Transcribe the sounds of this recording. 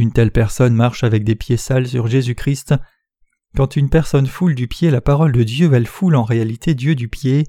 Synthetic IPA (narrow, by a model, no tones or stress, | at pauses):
ynt̪ɛlpɛʁsɔnmaʁʃavɛk̚d̪epjesalsyʁʒezykχist̪ | kɑ̃t̪ynpɛʁsɔnfuld̪ypjelapaʁɔld̪əd̪jøɛlfulɑ̃ʁealit̪ʰed̪jød̪ypje